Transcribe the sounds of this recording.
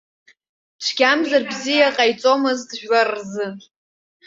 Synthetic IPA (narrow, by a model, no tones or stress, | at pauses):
ʈ͡ʂʷʰɡ̥ʲamzarbzijaqʼajt͡sʼo̞mɨzdʒᶣwarːzɨ